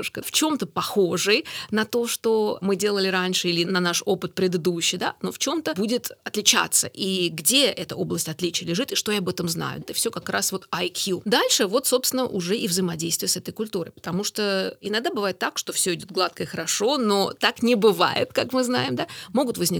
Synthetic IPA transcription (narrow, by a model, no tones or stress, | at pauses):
ʂkəft͡ɕo̞mt̪əpɐxo̞ʐɨjnɐt̪o̞ʂt̪omɨdʲe̞lˠəlʲɪɾanʲʂɨilʲɪnɐnaʂopɨt̪̚pɾʲɪd̪ɨd̪uɕːɪjd̪a̰no̞ft͡ɕo̞mt̪əbudʲɪt̪ɐt̪lʲɪt͡ɕa̰t̪sːə̰ʔiɡdʲeɛt̪əo̞blˠəsʲtʲɐt̪lʲit͡ɕɪəlʲɪʐɨt̪ɪʂt̪o̞jaɐbɛt̪əmzna̰jʊ̰ɛt̪əfsʲo̞kɐkɾasvo̞t̪ɐjkjud̪alʲʂɨvo̞t̪so̞pst̪ʲɪnəʔʊʐɛʔɪvzəjɪmɐdʲejst̪vʲɪjəsɛt̪əjkʊlʲt̪uɾə̰jpə̥t̪ɐmuʂt̪oɪnɐɡd̪abɨvajɪt̪ːakʂt̪o̞fsʲɵɪdʲo̞t̪̚ɡlˠat̪̚kəɪxəɾɐʂo̞no̞t̪aknʲɪbɨva̰jɪ̰t̪kakmɨznajɪmd̪amo̞ɡʊt̪vəzʲnʲɪ